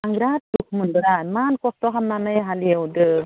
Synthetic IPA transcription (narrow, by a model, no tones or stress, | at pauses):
aŋɡɾat̚dukʰmɯnbɯɾamankɔstɔɦamnanɯjɦaliawdɯ